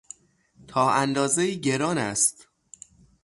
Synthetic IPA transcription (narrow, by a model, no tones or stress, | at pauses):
t̪ʰɒːʔænd̪ɒːzeiːɟe̞ɾɒːnæst̪